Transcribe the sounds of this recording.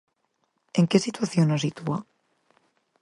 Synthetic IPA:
eŋkesit̪waθjonosit̪ua

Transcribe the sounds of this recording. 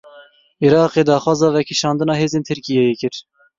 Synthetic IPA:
ʔiɾɑːqeːd̪ɑːxwɑːzɑːvɛkʰiʃɑːnd̪ɨnɑːɦeːzeːnt̪ʰɨɾkijɛjekɨɾ

